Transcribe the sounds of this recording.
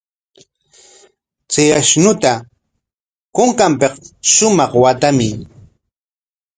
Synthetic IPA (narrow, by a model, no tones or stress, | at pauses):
t͡seaʃnʊt̪a | koŋkampeqʃʊmɑχwat̪amɪ